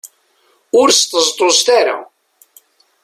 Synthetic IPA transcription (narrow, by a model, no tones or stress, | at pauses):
ʊɾst̪əzt̪ˤozt̪aɾa̰